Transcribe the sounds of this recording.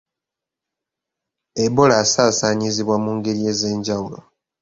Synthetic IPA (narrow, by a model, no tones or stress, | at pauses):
ebolaːsaːsaːɲiziβwamuːŋɡe̞ɾie̞ːze̞ːɲɟawulo̞̰